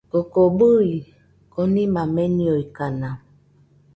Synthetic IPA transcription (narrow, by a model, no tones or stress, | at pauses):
okobui | konimamenioikana